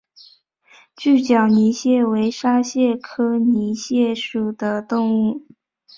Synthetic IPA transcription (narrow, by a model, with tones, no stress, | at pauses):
t͡ɕy˥˩t͡ɕjɑ˨˩ʊni˧˥ɕjɛ˥˩we˧˥ɪʂa˥ɕjɛ˥˩kʰɤ˥ni˧˥ɕjɛ˥˩ʂu˨˩d̪ə˦t̪ʊ˥˧ŋu˥˩